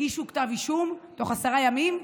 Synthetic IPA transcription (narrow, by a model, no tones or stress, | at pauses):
iʃuktaviʃumto̞χasaʁajamim